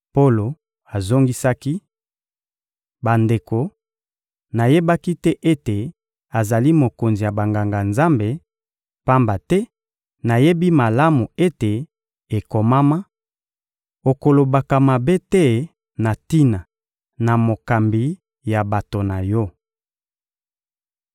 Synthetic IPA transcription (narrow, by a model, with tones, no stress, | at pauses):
po˦lo˨ | a˨zo˦ŋɡi˦sa˦ki˦ | ba˨nde˨ko˨ | na˨je˦ba˦ki˦tɛ˦ʔe˦te˨ | a˨za˨li˦mo˨ko˨nzi˨ja˨ba˨ŋɡa˨ŋɡa˨nza˦mbe˨ | pa˦mba˨tɛ˦ | na˨je˦bi˦ma˨la˦mu˨e˦te˨ | e˨ko˨ma˦ma˦ | o˨ko˨lo˨ba˨ka˨ma˨be˦tɛ˦ | na˨ti˦na˨ | na˨mo˨ka˨mbi˨˦ | ja˨ba˨to˨na˨jɔ˦